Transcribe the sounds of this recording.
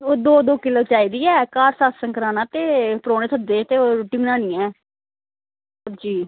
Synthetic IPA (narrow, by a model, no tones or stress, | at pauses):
oːd̪oːd̪oːkɪloːt͡ʃaːiːd̪iːɛːkaːɾsaːssəŋkəɾaːnãːt̪eːpɾoːneːt̪ʰəd̪eːt̪eːoːʈɪmnãːnɪ̃ːɛ̃ː | əd͡ʒiː